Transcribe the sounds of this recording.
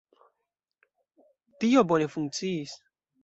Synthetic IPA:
tiobone̞fuŋk̚t͡siis

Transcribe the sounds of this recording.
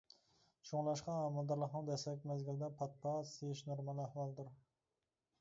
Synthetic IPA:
ʃʰoŋlˠɑʃqɑɑmɑld̪ɑɾlˠɑqnɨ̃d̪ɛsɛkʲmæzɡʲild̪ɛpʰɑt̪̚pʰɑseʃnoɾmɑnæhwɑlˠd̪ɪɾ

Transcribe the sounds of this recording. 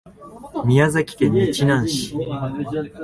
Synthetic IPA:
mʲiazakʲi̥t̪ẽɲːit͡ɕinãɰ̃ɕi̥

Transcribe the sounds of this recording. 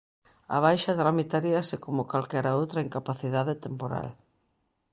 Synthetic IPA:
a̰β̞ajʃɐt̪ɾamit̪aɾiɐsɪkomʊkalkɛɾaowt̪ɾɐiŋkapaθiðaðet̪empoɾa̰l

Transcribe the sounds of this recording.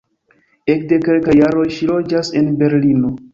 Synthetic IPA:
ekde̞ke̞lkajːaɾo̞jʃilo̞d͡ʒase̞nbe̞ɾlino̞

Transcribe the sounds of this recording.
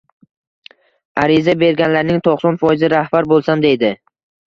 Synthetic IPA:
aɾɪzabe̞ɾɡʲanlaɾnɪŋt̪ʰoqsɒnfɒjɪzɪɾahbaɾbolˠsamd̪e̞jd̪ɪ

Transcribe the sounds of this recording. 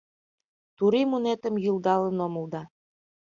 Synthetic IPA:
t̪uɾimunet̪ə̆mjuld̪ɑlɤ̆nomŭlˠd̪ɑ

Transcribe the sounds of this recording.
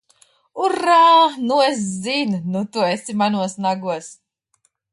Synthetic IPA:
uɾaːnues̬zinnut̪uesimanuɔsnaɡuɔs

